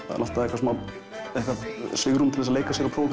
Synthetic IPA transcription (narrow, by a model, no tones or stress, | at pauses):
a̰ðɛ̰nʔalt̪aðɛkvasuːna | ɛhkvaðsvɪɣɾumt̪ʰɪlɛsleːjkasjɛɾawpʰɾow